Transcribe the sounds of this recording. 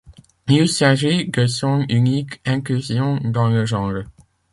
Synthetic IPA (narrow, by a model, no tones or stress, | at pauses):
njusãʒiɡəsɔ̃nynikɛ̃klyzjɔ̃d̪ɑ̃ləʒɑ̃ʁ